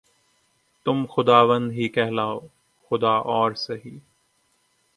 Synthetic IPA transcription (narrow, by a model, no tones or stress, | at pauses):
t̪ʊmxʊd̪aːʋə̃nd̪ɦikɛɦlaːoː | xʊd̪aːʔɔːɾsɐɦiː